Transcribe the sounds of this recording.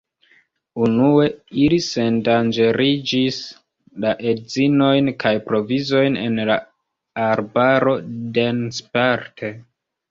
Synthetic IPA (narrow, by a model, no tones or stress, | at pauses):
unue̞ilise̞ndand͡ʒe̞ɾid͡ʒis | laʔe̞dzino̞jnkajpɾo̞vizo̞jne̞̰nla | aɾbaɾo̞denspaɾtʰe̞